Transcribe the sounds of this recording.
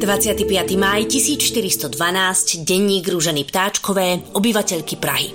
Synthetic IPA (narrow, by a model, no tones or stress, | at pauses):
d̪ʋat͡sɪat̪ipɪat̪imajcisiːt͡sʃt̪iɾist̪ɔd̪ʋanaːscɟɛɲːiːɡɾuʒɛniːpt̪aːt͡ʃkɔʋɛːɔbiʋacɛʎkipɾa̰ɦḭ